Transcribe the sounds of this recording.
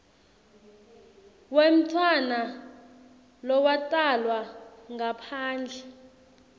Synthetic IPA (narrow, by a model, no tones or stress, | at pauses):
wem̩tʰwana | lɔwatʼalwaŋapʰaːnd͡ɮʱɛ